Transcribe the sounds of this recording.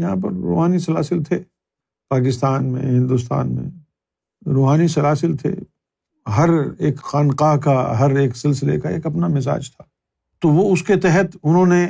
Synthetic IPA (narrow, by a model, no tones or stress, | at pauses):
jɐɦãp̬ɐɾːo̰ːɦaːnisɐlaːsɪlt̪ʰe | paːkɪst̪aːnmḛ̃ɦɪ̃nd̪ʊst̪a̰ːnmḛ̃ | ɾoːɦaːnisɐlaːsɪlt̪ʰḛ | ɦɐɾeːkxaːnqakaɦɐɾeːksɪlsɪlḛkaḛːkɐpnamɪsa̰ːd͡ʒt̪ʰḁː | t̪oʋoʊsket̪ɛɦət̪ʊnɦõne